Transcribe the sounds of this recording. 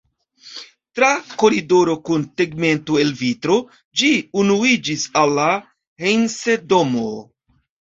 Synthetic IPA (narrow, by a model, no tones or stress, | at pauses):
tɾako̞ɾidoɾokunteɡme̞ntoelvitɾo̞ | d͡ʒiunuid͡ʒisalːa | hejnsedo̞mo